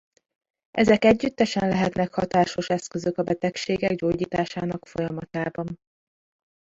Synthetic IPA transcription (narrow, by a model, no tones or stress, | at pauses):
ʔɛzɛkɛɟːyt̪ːɛʃɛnlɛɦɛt̪nɛkhɒt̪aːʃo̞ʃɛskø̞zøkɒbɛt̪ɛkʃeːɡɛɡɟoːɟiːt̪aːʃaːnɒkfo̞jɒmɒt̪aːbɒn